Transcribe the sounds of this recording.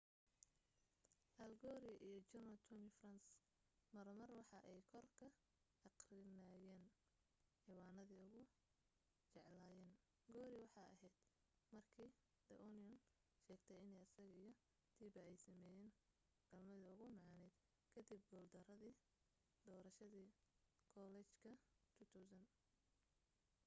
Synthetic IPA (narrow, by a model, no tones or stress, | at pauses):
ʔɐlɡɔːɾɪʔijɔt͡ʃʊnɐt̪ʰɔmɪfrɐns | mɐɾmɐrwɑħɑʔɛjkʰɔrkʰɐ | ɑqrɪnaːjɛːn | ħiwɑːnɐðiʊɣʊ | t͡ʃɛʕlaːjɛːn | ɡɔːɾɪwɑħɑjɐ̰ɦɛjd̪̥ | mɐrkʰiː | d̪̥ɐʔɔniɔn | ʃɛːɡt̪ʰɛjɪnɛjɐsɐɣɐijɔ | d̪̥ʰiːbɐɛjsɐmɛːjɛːn | ɡ̥ɐlmɐðɐʊɣʊmɑʕɑnɛd̪ | kʰɐd̪ib̚ɡɔːld̪ɐɾɐðiː | d̪ɔːɾɐʃɐðiːkʰɔlɛt͡ʃkʰɐt̪ʰʊt̪ʰuwsɐn